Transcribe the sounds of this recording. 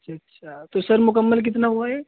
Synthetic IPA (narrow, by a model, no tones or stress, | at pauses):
t͡ʃʰatːʃʰat̪osəɾmʊkəmːəlk̬ɪt̪naɦoɛ